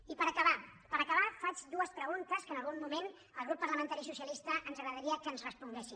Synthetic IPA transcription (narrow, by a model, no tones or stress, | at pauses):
ipəɾəkəβa | pəɾəkəβ̞afad͡ʒd̪uəspɾəɣ̞unt̪əskənəlˠɣumːumen | əlˠɣ̞ɾupːɐɾləmənt̪aɾisusiəlist̪əʔənzəɣɾəðəɾiəkənzrəspuŋɡɛsi